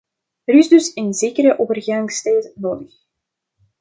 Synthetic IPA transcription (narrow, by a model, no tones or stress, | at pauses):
əɾɪzdɵsənzeːkəɾəʔoːvərɣaŋstɛjtnoːdəx